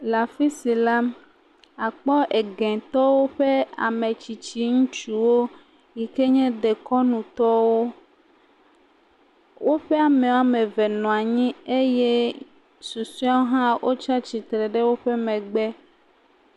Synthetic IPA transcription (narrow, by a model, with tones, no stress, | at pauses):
la˨fi˦si˨la˦ | a˨k͡pɔ˦ʔe˨ɡɛ̃˨t̪ɔ˦wo˦ɸe˦a̰˨me˨t͡ɕi˨t͡ɕi˦ŋũ˦t͡ʃu˦wo˦ | ji˨ke˦ɲɛ̃˦d̪e˨kɔ˦nũ˨t̪ɔ˦wo˦ | wo˦ɸe˦a˨mẽ˨wa˦mẽ˨vɛ˨nɔ̃˨a˨ɲĩ˦e˦je˦ | su˨su˦a˦wo˦ɦã˦wʔo˦t͡ʃa˦t͡ɕi˨t̪ɾe˨ɖe˦wo˦ɸe˦mɛ̃˨ɡ͡bɛ˦